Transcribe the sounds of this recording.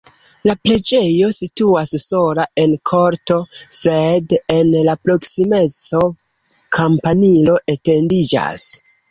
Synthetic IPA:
lapɾe̞d͡ʒe̞jo̞situasso̞lae̞nkʰo̞ɾto̞sede̞nlapɾo̞ksime̞t͡so̞ | kʰampanilo̞ʔete̞ndid͡ʒa̰s

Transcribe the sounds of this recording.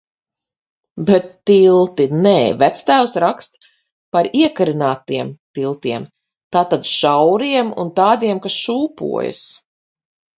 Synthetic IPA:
bɛt̪ːilˠt̪inɛːvæt̪st̪æːwsɾakst̪ | paɾiɛkaɾinaːt̪iɛmt̪ilˠt̪iɛm | t̪aːt̪ad̪ʃawɾiɛmṵnt̪aːd̪iɛmkasʃuːpṵɔ̰j̰s

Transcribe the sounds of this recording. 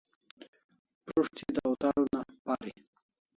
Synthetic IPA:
pɾuʂt̪id̪əwt̪ɑɾonapɑɾi

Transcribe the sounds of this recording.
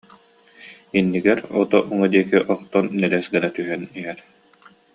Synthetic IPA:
inːiɡɛɾɔt̪ɔʔuŋɔd̪iɛkiʔɔχt̪ɔnːɛlɛsɡɛnat̪yɦɛniɦɛɾ

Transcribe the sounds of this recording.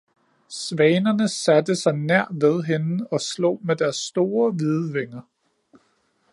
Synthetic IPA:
sʋɛɪnɐnəsæd̥əsɑ̈ɪnæɐ̰ʋeð̞ˠɦenɒ̽slo̝̰̽ːmed̥æɐsːd̥o̝ːɐʋiðˠʋe̝ŋɐ

